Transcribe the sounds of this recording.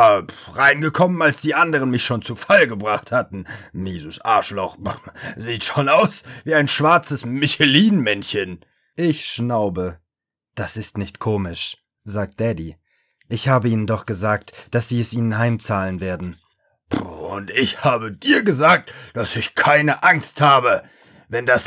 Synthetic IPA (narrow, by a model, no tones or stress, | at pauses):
apʁaɪnɡəkʰɔmənalsd̥iːʔandəʁənmɪçʃoːnt͡sufalɡəbʁaχthatn̩miːzəsʔa̰ːʃlɔχziːtʃoːnaʊsviːaɪnʃv̥aɐt͡səsmɪçɛliːnmɛnçən | ʔɪçʃnaʊbə | d̥asɪstnɪçtkʰoːmɪʃ | zaːk̚t̚d̥ɛdi | ʔɪçhaːbəiːnəndɔχɡ̥əzaːk̚td̥asz̥iːɛsʔiːnənɦaɪmt͡saːlənveːɐdn̩ | ʊ̰ntɪçhaːbədiːɐɡəzaːk̚td̥asɪçkʰaɪnəʔaŋsthaːbə | vɛndas